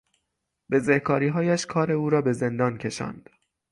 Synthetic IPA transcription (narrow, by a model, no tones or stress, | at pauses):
b̥e̞zehkʰɒːɾiːɦɒːjæʃkʰɒːɾe̞uːɾɒːbe̞ze̞nd̪ɒːncʲʰe̞ʃɒ̰ːnd̪̥